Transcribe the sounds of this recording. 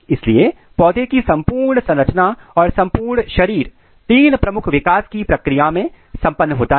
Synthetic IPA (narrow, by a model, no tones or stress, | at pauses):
ɪslie | pɔːd̪ekisɐ̃mpuːɾɳsɐ̃nɾət͡ʃnaɔːɾsɐ̃mpuːɾɳʃɐɾiːɾ | t̪iːnpɾɐmʊkʰʋɪkaːskipɾɐkɾɪjamẽ | sɐ̃mpənːɦoːt̪a